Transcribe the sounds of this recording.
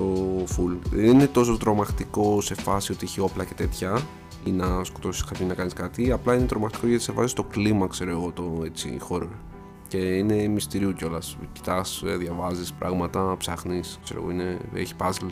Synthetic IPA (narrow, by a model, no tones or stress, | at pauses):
tofulðenine̞t̪o̞s̬ot̪ɾo̞mɐxt̪iko̞se̞fɐsio̞t̪ieçio̞plɐce̞t̪e̞t̪çɐ | inɐsko̞t̪o̞si̥skɐpʰonɐkɐniskɐt̪iɐplɐinet̪ɾo̞mɐxt̪i̥koʝɐt̪i̥sefɐsist̪oklimɐkse̞ɾo̞eɣo̞t̪oet͡sḭxo̞ɾo | ce̞ine̞mist̪iɾiuceo̞lɐsci̥t̪ɐsðʝɐvɐzispɾʔɐ̰ɣmɐt̪ɐpsɐxniskseɾo̰ɣo̞̰ineḛçi̥pɐzl